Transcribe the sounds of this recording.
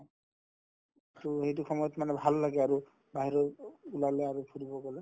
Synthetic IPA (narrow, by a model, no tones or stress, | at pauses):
tuɦejt̬ukʰɔmɔjɔt̪manɛbʱalːaɡɛaɹu | baɦiɾɔulalɛaɹupʰuɾibɔkɔlɛ